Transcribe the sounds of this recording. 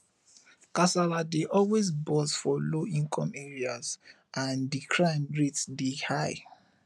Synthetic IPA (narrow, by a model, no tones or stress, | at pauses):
kasaladeʔɔlwezbɔsfɔloĩŋkʰɔ̃mɛɹiaz | ʔãndikʰɹãɪ̃mɹitdehaɪ